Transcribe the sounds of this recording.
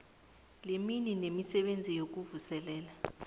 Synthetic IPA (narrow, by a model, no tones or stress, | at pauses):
lemininemisɛɓend͡zʱijok̬uvusɛlɛːla